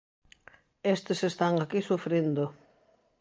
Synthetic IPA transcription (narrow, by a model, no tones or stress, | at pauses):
est̪esest̪aŋakisufɾend̪ʊ